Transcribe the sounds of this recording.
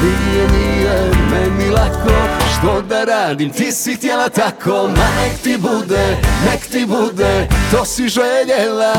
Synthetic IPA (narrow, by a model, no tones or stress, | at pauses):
minijɛnijɛmɛnilakoʃt̪od̪aɾaːd̪imt̪isit̪jelat̪akʰomanekt̪ibud̪ɛnɛkt̪ibud̪ɛt̪osiʒeʎela